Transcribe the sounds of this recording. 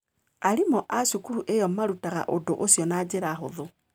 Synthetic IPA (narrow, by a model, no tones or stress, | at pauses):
aɾimɔʔaɕukuɾuʔejɔmaɾutaɣa̰ʔodoʔosjɔnaːd͡ʑeɾaɦoðo